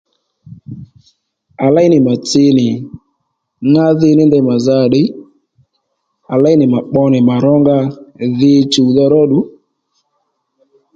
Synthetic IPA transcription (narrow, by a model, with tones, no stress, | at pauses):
a˨la˦ɪ˦nɪ˨ma˨t͡sɪ˧nɪ˨ | ŋa˦ðɪ˦˧˦nɪ˦ndɛ˧ma˨za˧˨ɗɪ˦ | a˨la˦ɪ˦nɪ˨ma˨k͡pɔ˧nɪ˨ma˨ɾɔ˦ŋɡa˧ðɪ˦t͡ʃu˨ðɔ˧ɾɔ˦ɗu˨˦